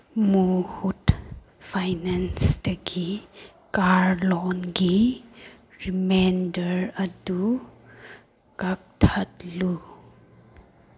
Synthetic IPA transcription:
muhut | pʰajnansdɐɡi | kaɾlɔnɡi | ɾimendəɾɐdu | kak̚tʰatlu

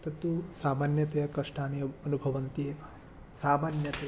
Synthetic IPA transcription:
t̪ɐt̪usaːmaːnjɐt̪ɐjɐkɐʂʈʰaːnijɐɐnubʱɐʋɐnt̪e | saːmaːnjɐt̪ɐj

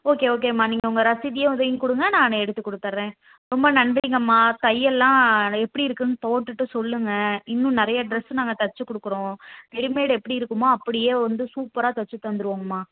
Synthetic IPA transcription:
oːkeːoːk̬eːmaːniːŋɡɐʊŋɡɐɾɐsɪðɪjɐ̃ʊðɐjɪŋkʊɽɯŋɡɐnãːnɯɛɽɯt̪ːɯkːɔɽɯt̪ːaɾɾẽː | ɾɔmbɐnɐnɖiŋɡɐmːaːt̪ɐjːɛlːãːɛpːɐɽiɪɾɯkːɯnpoːʈːɯʈːɯsɔlːɯŋɡɐɪnːʊ̃nɪɾɐjɐɖɾɛsnaːŋɡɐt̪ɐɾt͡ʃːɯkːʊɽɯkːɯɾõt̪ɛɽɪmeːɽɯɛpːɐɽiɪɾɯkːɯmoːɐpːɐɽɪjeːʋɐnd̪ɯsuːpːɐɾaːt̪ɐt͡ʃːɯt̪ːɐnd̪ɯɾɯʋaːŋɡɐmaː

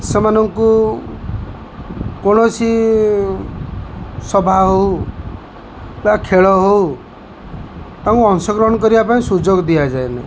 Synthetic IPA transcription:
sɔmanɔŋku | koñɔsʰi | sɔbʱaɦow | bakʰeɭɔɦow | t̪ãŋkuɔŋsɔɡɾɔɦɔnɔkɔɾibapaĩsud͡ʒoɡd̪iad͡ʒaena̰

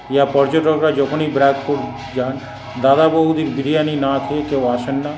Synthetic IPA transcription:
japɔɾd͡ʒoʈɔkɾad͡ʒɔkʰonibɾaɡpoɾ | d͡ʒan | d̪ad̪abɔɦud̪iɾbiɾijaninat̪ʰiekewaʃenːa

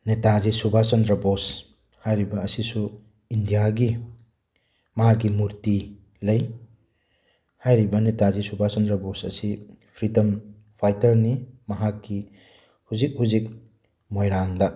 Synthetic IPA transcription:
netazisubʱasɐndɾɐbos | hajɾibɐːsisu | indijaɡi | mɐɦakːimuɾti | lɐj | hajɾibɐnetazisubʱasɐndɾɐbosɐ̰si | pʰɾitɐm | pʰajtɐɾnimɐɦakːi | huzik̚huzik̚ | mojɾaŋdɐ

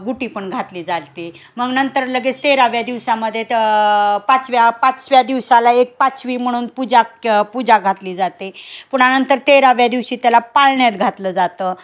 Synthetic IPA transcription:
ɡuʈiːpəɳɡʱat̪liːd͡zalt̪e | məɡnənt̪əɾləɡet͡st̪eɾaʋjad̪iʋsaməd̪ʱːje | pat͡sʋjapat͡sʋjad̪iʋsalaek̚pat͡sʋiːm̤əɽ̃uːnpud͡ʑapud͡ʑaɡʱat̪liːd͡zat̪epuɽ̤̃anənt̪əɾt̪eɾaʋjad̪iʋɕiːt̪jalapalɳjat̪ɡʱat̪ləːd͡zat̪ə

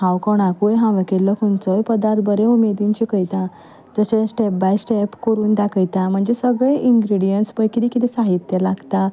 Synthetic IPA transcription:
ɦãwkɔɳ̃akujɦãʋəkilːəkʰunt͡səjpəd̪aɾt̪̚bəɾẽumed̪ĩɲt͡ɕikəjt̪ã | d͡zəɕesʈɛp̚bajsʈepkəɾuːnd̪akʰəjt̪ãm̤əɳd͡zesəɡɭẽʔiŋɡɾiɽijənʈsbəjkiɾikit̪ɛsaɦit̪jəlaɡt̪a

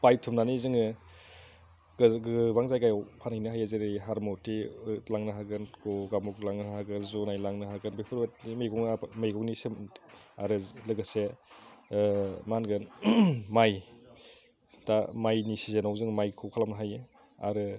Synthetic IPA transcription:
pajtʰumnanizɯŋɯ | ɡɡɯbaŋzajkajawpʰanajnɯɦajazeɾɯɦaɾmɔtilaŋnɯɦaɡɯnɡɔɡamɔklaŋnɯɦaɡɯnzɔnajlaŋnɯɦaɡɯnbepʰɯɾbet̚imejɡɔŋamejɡɔknisimaɾɯlɯɡɯse | manɡɯnmaj | damajnisizenawzɯŋmajkʰɯwkʰalamnɦajɯ | a̰ɾɯ

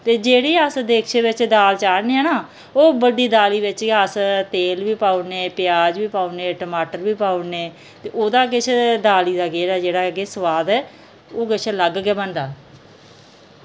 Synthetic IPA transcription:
t̪eːd͡ʒeːɽeːəsd̪eːkʰt͡ʃeːʋɪt͡ʃd̪aːlt͡ʃaːɾneːɛnaː | oːbəɖiːd̪aːliːʋɪt͡ʃəst̪eːlʋiːpaːʊneːpɪjaːd͡ʒʋiːpaːʊneːʈəmaːʈəɾʋiːpaːʊneː | t̪eːʔoːd̪aːk̬ɪt͡ʃʰd̪aːliːd̪aːɡeːɾaːd͡ʒeːɽaːɡeːsəʋaːd̪ɛː | oːkɪt͡ʃʰləɡɡɛːbənd̪aː

